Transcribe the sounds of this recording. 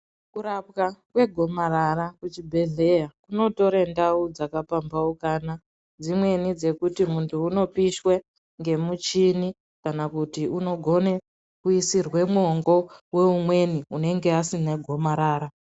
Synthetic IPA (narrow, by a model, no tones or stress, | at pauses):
kuɾap̚kakwe̞ɡʱo̞maɾarakut͡ʃibʱe̞ɮe̞jakuno̞to̞ɾendaud͡zakapambaukana | d͡zimwe̞nid͡ze̞kutimuntʰuːno̞piʃwe̞ | ŋɡe̞mut͡ʃini | kanakutiuno̞ɡʱo̞ne̞ | kuisirwe̞mwːŋɡo̞we̞umwe̞niune̞ŋɡeasineɡʱo̞maɾaːɾa